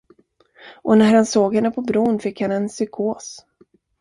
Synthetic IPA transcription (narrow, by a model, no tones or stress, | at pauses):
ʔɔnæɾhansoːɡhɛnːəpʰɔbɾuːnfɪkhanɛnsʏkʰoːs